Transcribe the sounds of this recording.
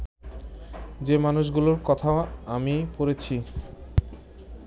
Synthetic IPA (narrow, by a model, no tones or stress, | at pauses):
d͡ʑemanuʃɡuloɾkɔt̪ʰaoamipoɾet͡ɕʰi